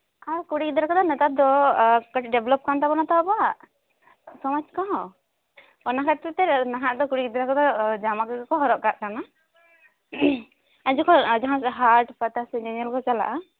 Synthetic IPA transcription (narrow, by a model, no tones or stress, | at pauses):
aɾkuɽikid̪ɾakɔd̪ɔnɛt̪ad̪ɔkəʈɖɛblɔp̚kant̪abɔnat̪awabɔaʔ | sɔmad͡ʒkaɦɔ̃ | ɔnakaʈt̪ɛt̪ɛnaɦaʔd̪ɔkuɽikid̪ɾakɔd̪ɔd͡ʒamakaɡakɔɦɔɾɔʔkaʔ̚kana | aɲd͡ʒɔkɔd͡ʒaɦãsɛɦaɾʈpat̪asɛd͡ʒɛnəlkɔt͡ʃala̰ʔa